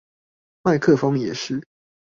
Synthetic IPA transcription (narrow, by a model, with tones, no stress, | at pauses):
ma˥˧ɪkʰɤ˥˨fɑ˥ŋjɛ˨˩ʂɻ̩˥˩